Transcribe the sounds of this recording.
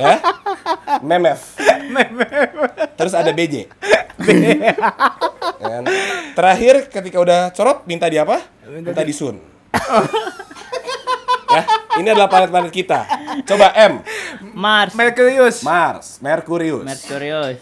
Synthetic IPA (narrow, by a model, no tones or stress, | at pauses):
ja | mɛmɛfmɛmft̪əɾʊsadabed͡ʒḛbe | a̰nt̪əɾaɦɪrkət̪ikaudaht͡ʃɔɾɔt̪̚mint̪adiapa | mint̪adisʊn | jahiniadalahpalɛt̪panɛt̪̚kit̪a̰t͡ʃobaʔɛmmarsmɛrkuɾiʊsmarsmerkuɾiʊmsɛkuɾi